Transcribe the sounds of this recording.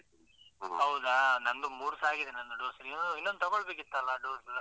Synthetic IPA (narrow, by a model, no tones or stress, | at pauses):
ɦɐwd̪anɐnd̪umuːɾsaːɡid̪enɐnd̪uɖoːsɐɾinonuinːond̪ut̪ɐɡɔɭbeːk̬it̪ːɐlːɐɖoːs